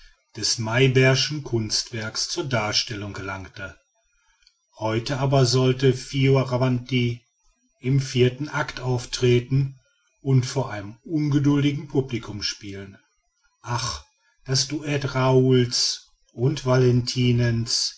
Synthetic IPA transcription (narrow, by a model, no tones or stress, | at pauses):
d̥ɛsmaɪbɛɐʃn̩kʰʊnstv̥ɛɐkst͡suːɐdaːɐʃtɛlʊŋɡəlaŋktə | hɔʏtəʔaːbɐzɔltəfioʁavanti | ʔɪmfiːɐtn̩ʔaktʔaʊftʁ̥eːtn̩ | ʔʊntfoːɐʔaɪnəmʊnɡədʊldɪɡŋ̩pʰublikʰʊmʃpiːlən | ʔaχ | d̥asd̥uʔɛtʁauls | ʔʊntv̥alɛntʰiːnɛns